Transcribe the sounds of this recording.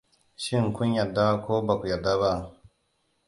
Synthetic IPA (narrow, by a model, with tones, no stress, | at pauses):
ʃi˦ŋkʊ˦ɲjɐ˨dːa˦koː˦ba˨kʷu˨ja˨da˦βa˦˨